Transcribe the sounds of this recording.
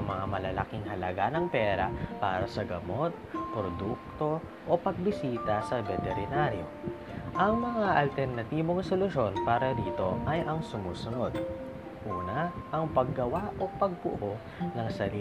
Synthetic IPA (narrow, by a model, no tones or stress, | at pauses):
ŋmɐŋamɐlɐlɐ̰kiŋhɐlɐɡanɐŋpɛːɾɐ̰pa̰ːɾɐsɐɡɐmo̞t̪̚pɾod̪uk̚t̪o̞ | ʔopɐɡ̚bɪsiːt̪ɐsɐvɛt̪ɛɾɪnaɾjo̞̰ | ʔɐŋmɐŋaʔɐlt̪ɛɾnɐt̪iːboŋsolʊʃo̞npaːɾɐd̪iːt̪o̞ʔɐjʔɐŋsʊmuːsʊno̞d̪ | ʔuːnɐʔɐŋpɐɡːɐwaʔo̞pɐɡ̚bʊʔo | nɐŋsɐli